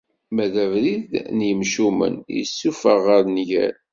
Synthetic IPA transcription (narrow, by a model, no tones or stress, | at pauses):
mæðævɾiðnjəmʃumə̰njə̰sːufəʁəɾnʝæ̰ɾ